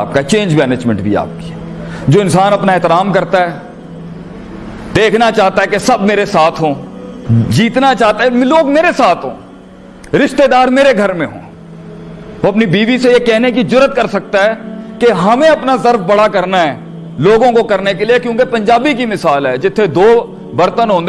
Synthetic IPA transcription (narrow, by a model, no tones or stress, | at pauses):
p̚kat͡ʃẽːɲd͡ʒmɛːneːd͡ʒmɛ̃ɳʈbʱḭa̰ːp̚ki̥ | d͡ʒoːɪ̃nsaːnɐpnaeːt̪ɪɾaːmkɐɾt̪aɦɛː | d̪eːkʰnat͡ʃaːɦt̪aɦɛkesɐb̚ʱmeːɾesaːt̪ʰɦõː | d͡ʒiːt̪nat͡ʃaːɦt̪aɦɛmloːɡmeːɾesaːt̪ʰɦõ̰ː | ɾɪʃt̪ed̪aːɾmeːɾeɡʱɐɾmẽɦõ̰ː | oɐpnibiːbisejekɛɦnek̬id͡ʒʊɾət̪̚kɐɾsɐk̚t̪aɦɛːkeɦɐmẽɐpnazɐɾfbɐɽakɐɾnaɦɛː | loːɡõkokɐɾnekeliekjõːkepɐ̃ɲd͡ʒaːbik̬imɪsaːlɦɛːd͡ʒɪt̪ʰːed̪oː | bɐɾt̪ənɦõːnd̪e